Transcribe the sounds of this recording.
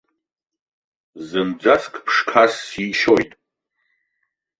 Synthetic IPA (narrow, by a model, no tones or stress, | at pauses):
zɨmd͡zʷaskʼʰpʰʂkʰasːiʃojtʼ